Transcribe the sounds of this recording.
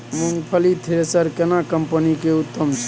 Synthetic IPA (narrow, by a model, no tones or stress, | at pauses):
muŋɡpʰəlit̪ʰeɾesəɾkenakəmpənikeut̪ːəmt͡ʃʰ